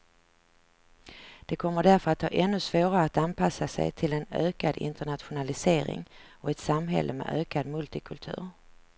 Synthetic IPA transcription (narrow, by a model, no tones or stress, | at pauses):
d̪̥ɛkʰɔmːəɖæɾfœɾat̪hɑ̰ːʔɛnːɵsvoːɾaɾəat̪anpʰasasɛ̰jt̪ʰɪlɛnøːkad̪ɪ̰nt̪əɳat̪ɧʊnalɪseːɾɪ̰ŋɔɛt̪samɦɛ̰lːʔəmɛ̰ʔøːkad̪mɵlt̪ɪkʰɵlt̪ʰʉ̟ːɾ